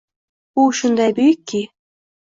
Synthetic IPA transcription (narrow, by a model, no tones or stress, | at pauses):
uʃŭnd̪ɑjbyjkʲːi